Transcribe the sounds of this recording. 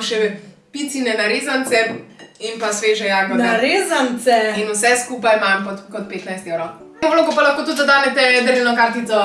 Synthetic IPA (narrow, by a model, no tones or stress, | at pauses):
ʃɛpit̪sinɛnaɾeːzant̪sɛinpasʋeːʒɛjaːɡɔnnaɾeːzant̪sɛinusɛskupajmamkɔtkɔt̪̚peːt̪najst̪ewɾɔw | mɔʋloːɡɔpalaxkoːt̪ud̪d̪ɐd̪aːnɛt̪ɛd̪əɾinɔkaɾt̪it̪sɔ